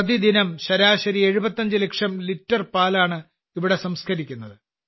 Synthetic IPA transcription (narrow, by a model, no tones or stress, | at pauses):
ɐd̪id̪inɐmɕɐɾaːɕɐɾie̞ɻubɐt̪ːɐɲd͡ʑɨlekʂɐmlitːɐrpaːlaːɳɨ | iʋiɽe̞sɐmskʰɐɾikʲːunːɐðɨ